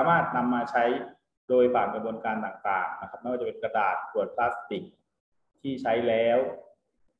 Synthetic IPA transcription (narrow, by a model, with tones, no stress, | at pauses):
aː˨˧˦maː˥˩t̪̚na˧mːaː˧t͡ɕʰa˦˥j | doː˧jfaː˨˩ŋkɾa˧bu˧ənkaː˧nt̪aː˨˩ŋt̪a̰ː˨˩ŋna˦˥kʰa˦˥p̚mɛ˥waː˥˩t͡ɕpe˧nkɾa˧daː˨˩t̪̚pu˨˩ət̪̚pʰlaː˦˥st̪i˨˩ŋ̚ | t̪ʰiː˥˩t͡ɕʰa˦˥jlɛː˦˥w